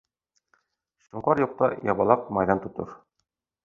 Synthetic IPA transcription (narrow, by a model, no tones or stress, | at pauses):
ɕuɴqɑɾjuq̚t̪ɑjɑbɑlˠɑqmɑjðɑnt̪ŏt̪ɤ̰ɾ